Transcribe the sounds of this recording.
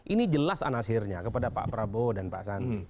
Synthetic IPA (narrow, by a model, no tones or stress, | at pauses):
ʔinid͡ʒəlasa̰nasɪrɲakəpadapa̰ʔpəɾabodanpa̰ʔsani